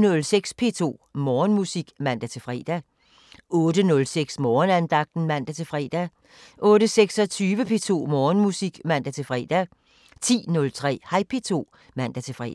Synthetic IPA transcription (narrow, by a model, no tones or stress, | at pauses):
nɔ̽lseɡ̥spʰe̝̰ːt͡sʰo̝̰ːmɒːnmusiɡ̥mæn̰d̥æt͡sʰe̝fʁɛ̰ːd̥æ | ɔ̽ːdənɔ̽lseɡ̥smɒːnænd̥ɑ̈ɡ̥̚d̥n̩mæn̰d̥æt͡sʰe̝fʁɛ̰ːd̥æ | ʔɔ̽ːɾəseɡ̥sɒ̽t͡sʰyːʋəpʰe̝ːt͡sʰo̝̰ːmɒːnmusiɡ̥mæn̰d̥æt͡sʰe̝fʁɛ̰ːd̥æ | t͡sʰḭːnɔ̽lt͡sʰʁɛ̰ːhɑ̈ɪpʰe̝̰ːt͡sʰo̝̰ː | mæn̰d̥æt͡sʰe̝fʁɛ̰